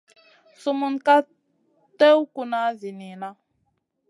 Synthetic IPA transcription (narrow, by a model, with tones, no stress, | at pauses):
su˦mu˦nka˦ | te˦wku˨na˨˦vi˨ni˨na˦